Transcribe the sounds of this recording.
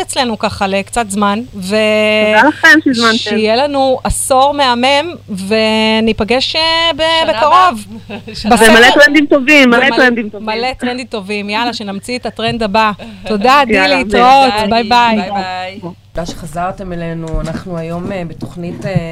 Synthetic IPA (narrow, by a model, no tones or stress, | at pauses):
et͡sle̞nukaχalekt͡sat̪zmanvealaχemʃizmanʃijelanuaso̞ʁmeamemve̞nipaɡeʃebebekaʁo̞vbazemaletʁend̪imt̪ovimːalet̪ʁend̪imtomalet̪ʁend̪imto̞vimjalaʃenamt͡sietatʁend̪abato̞dadileitʁot̪bajbaj | dajʃeχazaʁte̞melenuanaχnuajo̞mebeto̞χnite